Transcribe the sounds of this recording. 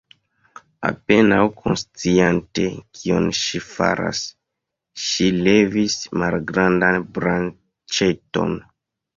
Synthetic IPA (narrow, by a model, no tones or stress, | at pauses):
a̰pe̞nawkʰo̞nst͡siante̞kʰionʃifa̰ɾa̰s | ʃile̞vismalɡɾandanbɾan | t͡ʃeto̞̰n